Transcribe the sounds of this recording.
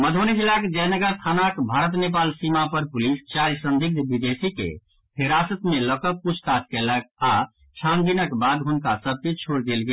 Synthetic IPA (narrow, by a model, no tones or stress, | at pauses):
məd̪ʱoned͡ʒilakd͡ʒɛnəɡəɾt̪ʰanakbʱaɾət̪nepalsimapəɾpulist͡ʃaɾsənd̪ʱiɡ̚d̪bid̪esikḛ | hiɾasət̪meləkəput͡ʃʰt̪at͡ʃkɛlək̚a | t͡ʃʰand̪inəkbad̪ɦunkasəb̚ʱket͡ʃʰoɽd̪elɡe